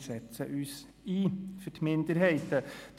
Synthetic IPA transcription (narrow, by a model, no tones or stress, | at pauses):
ʃɛt͡səʔʉːs | iːfətmɪnd̪əɾɦɛɪt̪əd̥̪